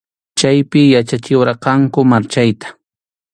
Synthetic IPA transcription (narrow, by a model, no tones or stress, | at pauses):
t͡ʃajpɪjat͡ʃat͡ʃɪwɾɑqɑŋkʊmaɾt͡ʃajt̪ḁ